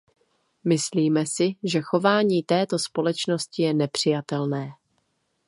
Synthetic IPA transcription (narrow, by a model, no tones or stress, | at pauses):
mɪsliːmɛsɪʒɛxo̞vaːɲiːt̪ɛːt̪o̞spo̞lɛt͡ʃno̞scɪjɛnɛpr̝̥ɪjat̪ɛlnɛː